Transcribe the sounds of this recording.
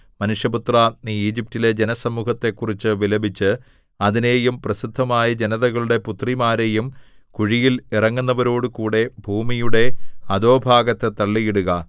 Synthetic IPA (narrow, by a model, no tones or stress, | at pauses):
mɐnuʂjɐput̪raniːiːd͡ʑip̚tile̞d͡ʑenɐsɐmuːɦɐt̪ːe̞kːurit͡ɕːɨʋilɐbʱit͡ɕːɨ | ɐðine̞ːjumprɐsid̪ʱːɐmaːjɐd͡ʑe̞nɐðɐɣɐɭuɽe̞put̪rimaːɾe̞jum | kuɻijilirɐŋːunːɐʋɐɾo̞ːɽukuːɽe̞bʱuːmijuɽe̞ɐðo̞ːbʱaːɡɐt̪ːe̞t̪ɐɭːijiɽuɣɐ